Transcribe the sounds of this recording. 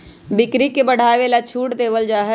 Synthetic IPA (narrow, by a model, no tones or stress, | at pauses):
bɪkɾikebəɽ̤ʱaːʋelat͡ʃʰuːʈd̪eːʋəld͡ʒaːɦɛ